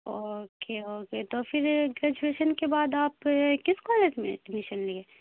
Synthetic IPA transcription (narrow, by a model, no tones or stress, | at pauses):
okeoːket̪ofʰɪɾɡɾɛːd͡ʒueːʃənkebaːd̪aːpkɪskɔːleːd͡ʒmḛ̃ɖɪmɪʃənlieː